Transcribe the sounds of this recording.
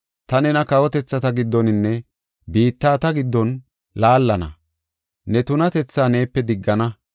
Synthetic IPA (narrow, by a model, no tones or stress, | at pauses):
t̪ɐnɛnɐkɐwɔt̪ɛt͡sːɐt̪ɐɡɪd̪ːɔnɪnːɛ | biːt̪ːaːt̪ɐɡɪd̪ːɔn | laːlːɐnɐ̰ | nɛt̪ʊnɐt̪ɛt͡sːaːne̞ːpːɛd̪ɪɡːɐnɐ